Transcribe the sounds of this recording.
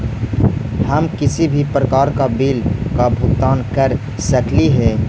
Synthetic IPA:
həmkɪsibʱipɾəkaːɾkabiːlkabʱut̪aːnkəɾ | səkliɦɛ

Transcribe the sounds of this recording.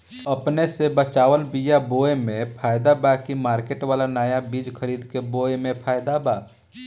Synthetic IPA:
ɐpnesebət͡ʃaːʋəlbijaboːemẽpʰaːjd̪abakimaːɾkeːʈʋaːlanaːjabiːd͡ʒkʰəɾiːd̪keboːemẽpʰaːjd̪abaː

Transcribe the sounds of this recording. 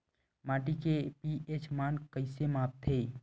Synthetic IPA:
maːʈikepiet͡ʃmaːnkəɪsemaːp̚t̪ʰe

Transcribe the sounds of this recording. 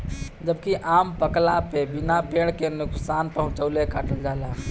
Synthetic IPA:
d͡ʒəb̚kiʔaːmpəklapebinapeɽ̃kenʊksanpəɦʊ̃t͡ʃəʊlekaːʈəld͡ʒaːla

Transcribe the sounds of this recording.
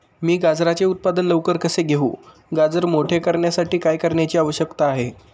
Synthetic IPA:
miːɡad͡zɾat͡seut̪̚pad̪ənləʋkəɾkəseɡʱeṵː | ɡad͡zəɾmoʈʰekəɾɳjasaʈiːkajkəɾɳjat͡ɕiːaʋəɕjəkt̪aːɦe

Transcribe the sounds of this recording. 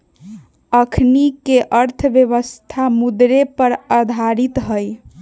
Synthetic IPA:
əkʰnikeʔəɾt̪ʰəbjəβəst̪ʰamud̪ɾepəɾad̪ʱaɾit̪ɦəj

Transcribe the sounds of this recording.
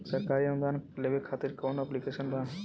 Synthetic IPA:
səɾkaɾiəmd̪anlebekʰat̪iɾkawɳaplikesənba

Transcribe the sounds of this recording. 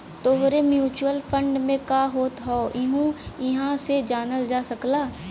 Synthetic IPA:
t̪oɦɾemjuːt͡ʃuəlpʰə̃ɳɖmẽkaːɦoːt̪ɦɔːɪɦũ | ɪɦãsed͡ʒaːnəld͡ʒaːsəklaː

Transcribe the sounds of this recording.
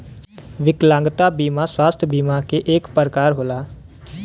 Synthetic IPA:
ʋɪklãːŋɡt̪aːbiːmãswaːst̪ʰjəbiːmãkeʔeːkpəɾkaːɾɦoːlaː

